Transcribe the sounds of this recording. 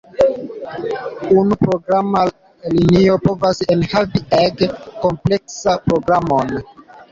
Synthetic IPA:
unupɾo̞ɡɾama | linio̞po̞vasenhavieɡko̞mple̞ksapɾo̞ɡɾamon

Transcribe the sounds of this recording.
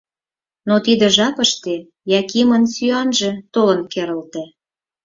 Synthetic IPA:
not̪id̪ə̆ʒɑpə̆ʃt̪e | jɑkimə̆nsyɑnʒĕt̪olə̆nkeɾə̆lt̪æ

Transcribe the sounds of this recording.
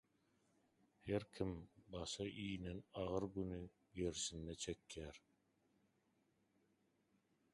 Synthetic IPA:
heɾkʰimbɑʃɑʔiːnenɑʁɯɾɡyny | ɡe̞ɾsinːet͡ʃʰe̞kjæːɾ

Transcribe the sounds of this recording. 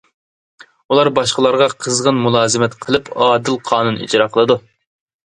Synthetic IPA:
ulˠɑɾbɑʃqəlˠɑɾʁɑqʰəzʁənmulˠɑːzɪmɛt̪qʰəlˠɨpɑːd̪ɪlˠqʰɑːnunḭd͡ʒɾɑqʰəlˠɨd̪u

